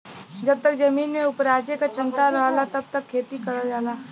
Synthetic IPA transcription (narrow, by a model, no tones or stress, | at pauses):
d͡ʒəb̚t̪ək̚d͡ʒəmiːnmeʊpɾaːd͡ʒjəkat͡ʃɪnt̪aɾəɦlat̪əb̚t̪əkʰːeːt̪ikəɾəd͡ʒaːla